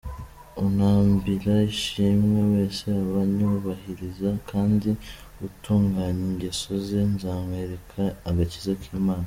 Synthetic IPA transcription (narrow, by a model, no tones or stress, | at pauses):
unaːmbiɾaiʃimŋewe̞ːse̞aβaɲuuβahiɾizakʰaːndiutʰuːŋɡaːɲiɲɟeso̞zenzaːmweɾekʰaːɡacizakʰiːmaːna